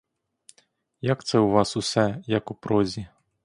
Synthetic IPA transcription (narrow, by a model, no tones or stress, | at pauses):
jakt̪sɛwvasusɛjɐkupɾɔzʲi